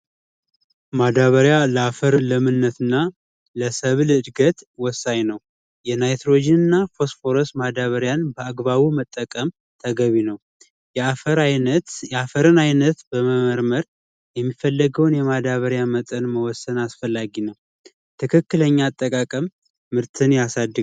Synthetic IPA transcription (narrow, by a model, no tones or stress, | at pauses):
mad̪aβəɾjaləafəɾɨləmɨnːət̪ʰɨnːa | ləsəβlɨd̪ɡət̪wɔsːaɲnəw | jɛnajt̪ɾod͡ʒɪnɨnːafo̞sfoɾosmad̪aβəɾjanbəaɡβaβumət̪ʼːəkʼəm | t̪ʰəɡəβinəw | jɛafəɾajt̪afəɾɨnajnət̪bəməməɾməɾ | jɛmːifːəlːəɡəwnjɛmad̪aβəɾjamət̪ʼənməwɔsːənasfəlːaɡinəw | t̪ʰɨkʰɨkːɨləɲːaːt̪ʼːəkʼakʼəmː | ɨɾt̪ʰɨnjasad̪ːɨ